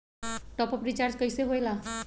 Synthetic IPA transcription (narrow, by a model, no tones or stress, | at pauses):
ʈɔpɔprit͡ʃaɾd͡ʒkʌjseɦojla